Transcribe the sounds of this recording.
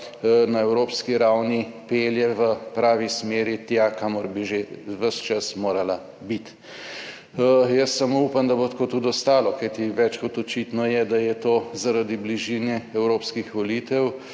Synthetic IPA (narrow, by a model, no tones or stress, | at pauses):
naɛwɾoːpskiɾawnipeːljɛʋəpɾaːʋismeːɾit̪jakamɔɾbiʒeʋəʃt͡ʃasmoːɾala | bit̪ | jəsːamoupamd̪ɐbot̪kot̪ut̪ɔst̪aːlɔkajt̪iʋɛt͡ʃkɔt̪ɔt͡ʃit̪nɔjɛd̪ajɛt̪oːzaɾad̪ibliʒinɛɛwɾoːpskixʋɔliːt̪ɛw